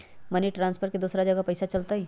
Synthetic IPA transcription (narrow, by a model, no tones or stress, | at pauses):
mɐniʈɾãːnspʰəɾʈked̪oːsɾad͡ʒəɡapɐɪsat͡ʃɐlt̪aɦi